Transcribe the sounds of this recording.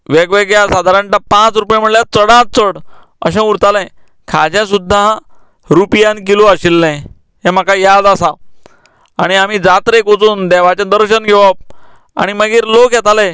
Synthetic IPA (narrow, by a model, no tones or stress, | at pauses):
ʋeɡʋeɡjasad̪ʱaɾãɳʈapãt͡sɾupjãm̤əɽljat͡səɽãt͡səɽ | ə̰ɕẽuɾt̪alɛ̃ | kʰad͡ʑãsud̪ʱːa | ɾupjãnk̬iloaɕilːɛ̃ | ɦem̤akajad̪asa | a̰ɽ̃iam̤id͡zat̪ɾekot͡suːnd̪ɛʋ̤at͡ɕẽd̪əɾɕənɡʱɛʋap̚ | a̰ɽ̃iməɡiːɾlokjɛt̪alɛ̃